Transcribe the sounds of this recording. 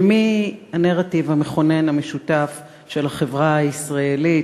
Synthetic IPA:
mianeʁativhameχo̞nenameʃutaf | ʃe̞laχe̞vʁaaisʁaeli

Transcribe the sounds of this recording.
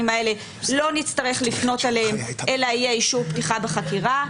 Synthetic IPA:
imae̞le̞ | lo̞nit͡staʁe̞χlifno̞talehemʔe̞laijeiʃuptiχabeχakiʁa

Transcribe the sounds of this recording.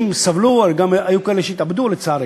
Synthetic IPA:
msavlualɡamajukoeleʃejit̪abd̪ulet͡saɾ

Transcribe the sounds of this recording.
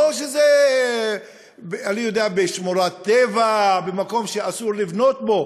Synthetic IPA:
oʃeze | beanijod̪eabeʃmoɾat̪ːevabemako̞mʃeasuʁlivno̞t̪̚bo̞

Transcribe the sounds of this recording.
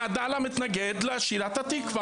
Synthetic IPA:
ad̪alamit̪naɡed̪leaʃiɾat̪at̪ikva

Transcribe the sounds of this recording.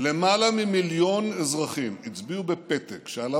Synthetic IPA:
le̞malamimiljo̞nezʁaχimit͡sbiubepet̪ekʃeala

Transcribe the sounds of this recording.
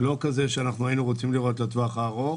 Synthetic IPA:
lo̞kazeʃeanaχnuajinuʁot͡simliʁo̞t̪lat̪voaχaːʁo

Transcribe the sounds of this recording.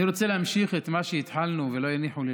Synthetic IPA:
iɾot͡selehamʃiχet̪maʃejit̪ħalnuvelo̞janiħule

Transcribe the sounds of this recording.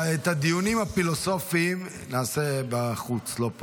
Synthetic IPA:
et̪ad̪ijunimhafilo̞so̞fim | naːsebaχut͡slo̞po

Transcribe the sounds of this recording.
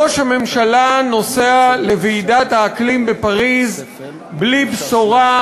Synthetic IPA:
oʃhame̞mʃalano̞sealeveːdat̪haːklimbepaʁiz | blibsoʁa

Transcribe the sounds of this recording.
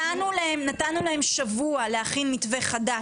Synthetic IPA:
anulahemnatanːulahe̞mʃavualehaχinmitve̞χada

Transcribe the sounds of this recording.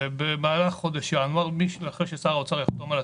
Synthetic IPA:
bemaːlaχχod̪aʃanaʁmiʃlaχeʃesaːʁot͡saʁjaχt̪omala

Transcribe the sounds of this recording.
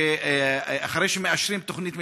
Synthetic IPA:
e | aχaɾejʃemeaʃɾimt̪oχnit̪me

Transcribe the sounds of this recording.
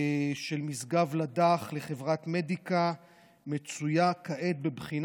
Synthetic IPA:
ʃe̞lmisɡavlad̪aχleχevʁat̪me̞d̪ika | me̞t͡sujakaʔet̪̚bebχin

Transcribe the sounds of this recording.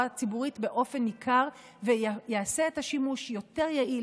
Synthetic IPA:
at͡sibuʁitbe̞ʔo̞fe̞nikʰaʁ | vejease̞ethaʃimuʃjo̞te̞ʁjaʔil

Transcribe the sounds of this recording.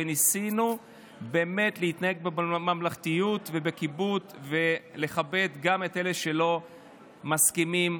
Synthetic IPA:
enisinu | be̞ːme̞t̪leit̪nahe̞ɡ̚bemamlaχt̪ijut̪ve̞be̞kibutve̞le̞χabe̞t̪ɡame̞te̞leʃe̞lo̞ | maskimim

